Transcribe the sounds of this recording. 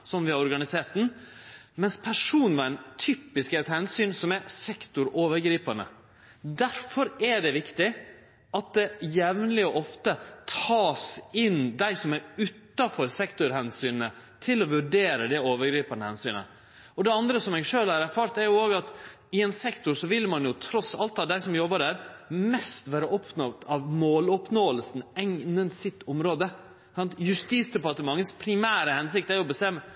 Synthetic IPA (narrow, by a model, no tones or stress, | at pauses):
sɔmʋɪhɑɾɔɾɡɑnɪseːɾt̪n̩ | mɛnspʰæʂuːnʋɑnt̪ʰyːpɪskɛt̪hɛnsyːnsɔmɛɾsɛkt̪ʊɾoːʋəɾɡɾiːpɑnə̰ | d̪æɾfɔɾæɖɛʋɪkt̪ɪ | ɑt̪̚d̪ɛjɛʋnlɪɔʔɔft̪ət̪ʰɑːsɪnd̪æɪsɔmæɾʉːt̪ːɑfɔɾsɛkt̪ʊɾhɛnsyːnnə | t̪ʰɪlɔʋʉɖeːɾəd̪ɛoːʋəɾɡɾiːpənəhɛnsyːnə̰ | ɔd̪ɛɑnd̪ɾəsɔmɛːɡʂøːlhɑɾæɾfɑːɾt̪æɾjʊoːɡɑt̪ | ɪɛnsɛkt̪ʊɾsɔʋɪlmɑnjʊt̪ʰɾɔsɑlt̪ɑʋd̪æɪsɔmjɔbːəɖæːɾmɛst̪ʋæːɾəʔɔpʰnɔɡt̪ɑʋmoːlɔpnoːəlsn̩ɛŋnənsɪt̪ːɔmɾoːd̪ə | sɑnt̪jʉst̪iːsd̪ɛpɑt̪əmɑŋːəspʰɾɪmæːɾəhɛnsɪk̚t̪æɾjʊbəst̪ɛmːə